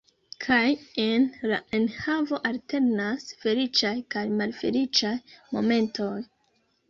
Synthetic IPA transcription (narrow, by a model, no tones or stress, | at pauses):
kʰajenla̰ʔe̞nhavo̞ʔalte̞ɾnasfe̞lit͡ʃajkajmalfe̞̰lit͡ʃajmo̞̰me̞ntʰo̞j